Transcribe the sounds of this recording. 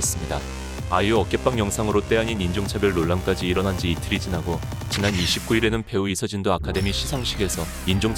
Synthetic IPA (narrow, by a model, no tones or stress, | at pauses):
es͈ɯmɲida | ajoʌk͈e̞p͈aŋjʌŋsʰaŋɯɾot͈e̞aɲinind͡ʑoŋt͡ɕʰabjʌɭːoɭːamk͈ad͡ʑiːɾʌnɦand͡ʑiːtʰɯɾid͡ʑinɦaɡo | t͡ɕinaniɕʰip̚k͈uiɾe̞nɯnpe̞uisʰʌd͡ʑindoakʰade̞miɕʰisʰaŋɕʰiɡe̞sʰʌ | ind͡ʑoŋ